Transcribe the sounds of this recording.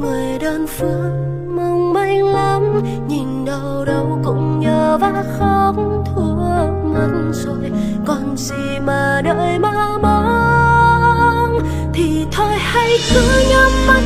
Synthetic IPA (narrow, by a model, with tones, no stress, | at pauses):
ŋɨ˨˩əjɗə˧nfɨ˨˧˦ə | mɨ˧ŋ͡mɓa˧jŋlə˨˦m | ɲi˨˩nɗə˧˩wɗə˨˧wkʊ̰˧˥ŋ͡mɲəː˧˩vaː˧˦xɔ˧t̪ʰu˧ | mə˨˧˩tnso˧j | kɔ˨˩nzi˨˩maː˨˩ɗəː˧˨jmaː˧mɔ˧˦ | t̪ʰi˨˩t̪ʰo˧jha˧jkɨ˧˦ɲə˧ma˧˩